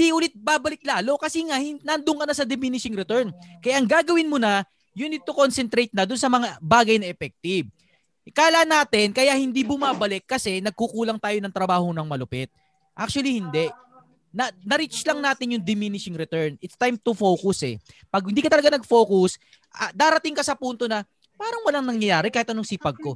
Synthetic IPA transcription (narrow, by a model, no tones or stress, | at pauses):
d̪iʔʊlɪt̪̚baːbɐlɪk̪̚laːlo̞kɐsiŋahɪnɐnd̪ʊŋkɐnɐsɐd̪ɪmɪnɪʃɪŋɾɛt̪ɛɹnkɐjaʔɐŋɡaːɡɐwɪnmʊnɐ | jʊnd̪ɪt̪okonsɛnt̪ɾejt̪̚nɐd̪ʊnsɐmɐŋabaːɡɐjnɐʔɛfɛk̚t̪ɪb̚ | kaːlanaːt̪ɪnkɐjaʔhɪnd̪ibʊmaːbɐlɛkːɐsɛnɐɡ̚kukuːlɐŋt̪aːjonɐŋt̪ɾɐbaːhonɐŋmɐlʊpɛt̪̚ | ʔak̚t͡ʃuɐlihɪnd̪ɛʔ | nɐnɐɾit͡ʃɪslɐŋnaːt̪ɪnjʊŋd̪ɪminɪʃɪŋɾɛt̪ɛɹnɪt̪st̪ajmt̪ʊfowkʊsɛ̰pɐɡ̚hɪnd̪iːkɐt̪ɐlɐɡanɐɡ̚foːkʊs | ɐd̪aːɾɐt̪iŋkɐsɐpunt̪o̞nɐ | paːɾɐŋwɐlaŋnɐŋjɐjaːɾɛkaːhɪt̪ʔɐnoŋsiːpɐɡ̚ko̞